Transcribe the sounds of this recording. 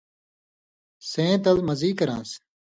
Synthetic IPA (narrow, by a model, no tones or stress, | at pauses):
sẽːt̪ɐlmɐziːkɐɾã̰ːs